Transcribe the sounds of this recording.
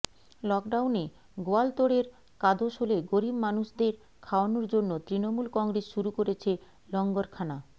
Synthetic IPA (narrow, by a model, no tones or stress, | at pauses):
lɔkɖawne | ɡoalt̪oɽeɾ | kad̪ʱoʃoleɡoɾibmanuʃd̪eɾ | kʰaoanoɾd͡ʑonːot̪ɾinomulkɔŋɡɾesʃuɾukoɾet͡ɕʰe | lɔŋɡoɾkʰana